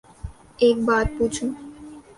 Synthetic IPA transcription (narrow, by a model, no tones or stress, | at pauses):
ek̚baɾ̚put͡ɕʰu